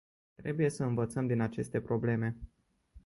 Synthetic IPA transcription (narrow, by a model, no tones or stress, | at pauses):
t̪ɾe̞buje̞səɨnvət̪səmd̪inat͡ʃe̞st̪e̞pɾo̞ble̞me̞